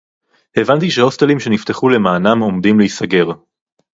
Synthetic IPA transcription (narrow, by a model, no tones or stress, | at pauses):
evant̪iʃeho̞st̪elimʃe̞nift̪e̞χule̞maːnamo̞md̪imliisaɡe̞ʁ